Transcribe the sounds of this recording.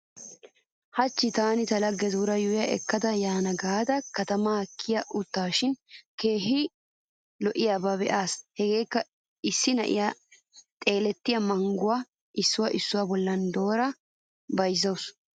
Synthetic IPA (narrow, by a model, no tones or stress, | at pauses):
hɐt͡ʃːɪt̪aːnɪt̪ɐlɐɡːɛzuɾɐjʊwjɐʔɛ̰kːɐd̪ɐjaːnɐɡaːd̪ɐkɐt̪ɐmɐɐkʰːɪjɐʔʊt̪ːaːʃɪnke̞ːɦɪ | lɔʔɪjaːbɐbɛ̰ʔaːshɛɡe̞ːkːɐ | ɪsːɪnɐ̰ʔɪ̰ja | t̪ʼe̞ːlɛt̪ːɪjɐmɐŋɡʊwa | ʔɪsːʊwɐʔɪsːʊwɐbɔlːɐnd̪o̞ːɾɐ | bɐjzɐws